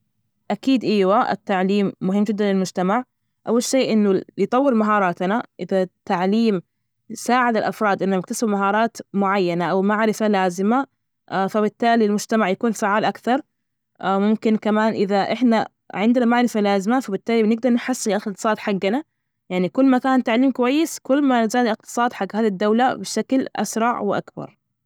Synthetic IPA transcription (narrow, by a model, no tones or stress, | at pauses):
ʔakiːd̪ʔiːwaʔɪ̰t̪ːaʕliːmːʊɦɪmːd͡ʒɪd̪ːanlɪlmʊd͡ʒt̪amaʕ | ʔawːalʃeːʔɪnːʊɪjt̪ˤɑwːɪɾmaɦɑːɾˤɑːt̪naʔɪðat̪ːaʕliːm | saːʕɪd̪ɪlʔɑfɾˤɑːd̪ʔɪnːamakt̪asɪbmaɦɑːɾˤɑːt̪mʊʕajːanaʔawmaʕɾɪfalaːzɪma | fabɪt̪ːaːlilmʊd͡ʒ̥t̪amaʕjakuːnfaʕaːlʔakθɑɾˤ | ʔmʊmkɪnkamaːnʔɪðaʔɪħna | ʕɪnd̪ɪnamaʕɾɪfalaːzɪmafabɪt̪ːaːlinɪɡ̚d̪ɑɾˤnɪħasːɪlʔxqt̪ɨ̥sˤɑːd̪ħaɡːana | jaʕnikʊlːmakaːnt̪aʕliːmkʊwajːɪskʊlːmazaːd̪ilɪq̚t̪ɨ̥sˤɑːd̪ħaɡːhaːd̪id̪ːawlabɪʃaklʔa̰sɾˤɑʕwɪʔa̰kbɑ̰ɾˤ